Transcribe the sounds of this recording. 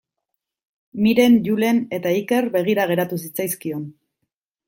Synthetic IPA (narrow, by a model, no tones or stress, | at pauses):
miɾe̞nʝule̞ne̞t̪aike̞ɾbe̞ɣ̞iɾaɣ̞e̞ɾat̪us̬it͡sajskio̞n